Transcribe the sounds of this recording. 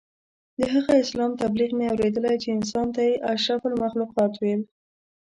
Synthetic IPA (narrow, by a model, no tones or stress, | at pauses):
d̪əɦaɣaɪslɑmt̪abliqmeawɾed̪əlajt͡ʃeɪnsɑnt̪ajeʔaʃɾaflmaxluqɑt̪wel